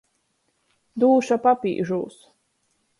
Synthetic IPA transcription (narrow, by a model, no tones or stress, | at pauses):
d̪uːʃapapʲḭːʒuːs